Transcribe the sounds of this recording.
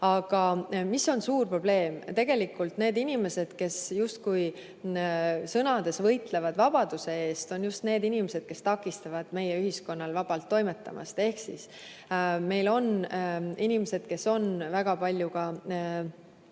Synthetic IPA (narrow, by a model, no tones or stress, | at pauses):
ɑɡ̥ɑmiso̞nsuːrpro̞b̥le̞ːmt̪e̞ɡ̥e̞likːˑult̪ne̞ːd̪inime̞se̞d̪̥ke̞sjust̪̚kuj | sɤnɑd̪̥e̞svɤ̞jt̪le̞vɑd̪̥vɑb̥ɑd̪̥use̞e̞ːst̪o̞njust̪ne̞ːd̪inimese̞d̪̥ke̞st̪ɑkːˑist̪ɑvɑd̪̥me̞jeyɦisko̞nːɑlvɑb̥ɑlt̪ːo̞jme̞t̪ːˑɑ̰mʔɑ̰st̪e̞hksḭs | me̞jlo̞ninimese̞d̪̥ke̞so̞nvæɡ̥ɑpɑlʲjukɑ